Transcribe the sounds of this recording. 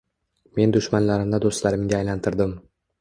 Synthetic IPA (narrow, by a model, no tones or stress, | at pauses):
me̞nd̪ʊʃmanlaɾɪmd̪ad̪ost̪laɾɪmɡʲaːjlant̪ʰɪɾd̪ɪm